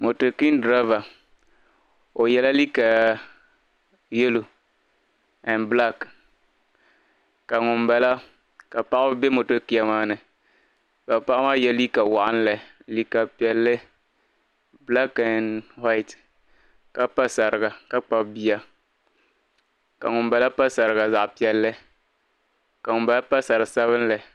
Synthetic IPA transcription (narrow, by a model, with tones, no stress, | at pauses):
mo˨to˨ki˦n˦dɾa˦va˨ | ʊ˨jɛ˦la˦li˦ka˨ | je˦lo˨ | ɛ˨nbla˦˨k | ka˨ŋʊ˨mbɛ˨˦la˦ | ka˨pa˦ʔbbe˦mo˨to˦ki˦a˨maː˦nɨ˨ | ka˨pa˦a˦ma˦jɛ˦li˦ka˨wa˨ʔa̰˦n˦lɛ˨ | li˨ka˨pɛ˨lːɨ˦ | bla˦ka˨nwa˦ɪ˦˨t | ka˦pa˦sa˨ɾɨ˨ɡa˨ka˦k͡pa˦bi˦a˦ | ka̰˨ŋʊ˨mba˨la˦pa˦sa˨ɾɨ˨ɡa˨za˨ʔpi˨˦ɛ˨lːɨ˦ | ka˨ŋʊ˨mba˦la˦pa˦sa˨ɾɨ˨sa˦βɨ˦n˦lɛ˨